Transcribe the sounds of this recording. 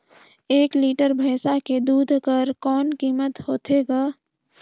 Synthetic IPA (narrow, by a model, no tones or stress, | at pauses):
eːkliːʈəɾbʱəːsaked̪uːd̪ʱkəɾkɔːnkiːmət̪hoːt̪eɡaː